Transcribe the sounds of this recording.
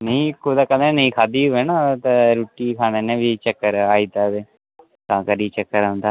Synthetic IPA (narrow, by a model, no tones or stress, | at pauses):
nəĩːkʰʊd̪aːkəd̪aːnəĩːkʰaːd̪iːɦʊɛːnaːt̪aɾuːʈiːkʰaːneːnẽːʋiːt͡ʃəkːəɾaːiːd̪aːd̪eː | t̪ãːkəɾiːt͡ʃəkːəɾãːnd̪aː